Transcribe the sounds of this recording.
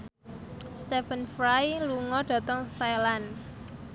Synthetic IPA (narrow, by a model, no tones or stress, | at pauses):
st̪efənfɾajluŋɔɖ̥a̤t̪ɔŋfalan